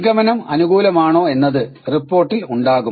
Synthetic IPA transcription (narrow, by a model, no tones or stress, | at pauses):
ɡɐmɐnɐmɐ̰nuɣuːlɐmaːɳo̞ːe̞nːɐðɨripːoːrʈːiluɳɖaːɣu